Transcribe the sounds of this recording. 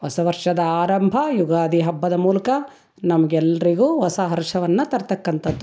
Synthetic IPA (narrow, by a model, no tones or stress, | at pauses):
ʋɐsɐʋɐɾʂɐd̪ɐaːɾɐmbʱɐjuɡaːd̪iɦɐbːɐd̪ɐmuːlɐkɐ | nɐmɐɡɛlːɐɾiɡuːʋɐsɐɦɐɾʂɐʋɐnːɐt̪ɐɾt̪ɐkːɐnt̪ɐd̪ːu